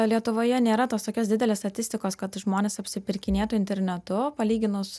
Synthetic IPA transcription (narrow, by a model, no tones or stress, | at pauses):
lʲiɛt̪ʊʋoːjɛnʲeːɾɐt̪oːst̪oːkʲoːsd̪ʲɪd̪ʲɛlʲeːst̪ɐt̪ʲɪsʲt̪ʲɪkoːskɐt̪ʒmoːnʲeːsɐpʲsʲɪpʲɪɾʲkʲɪnʲeːt̪ʊɪnʲt̪ʲɛɾʲnʲɛt̪ʊpɐlʲiːɡʲɪnʊs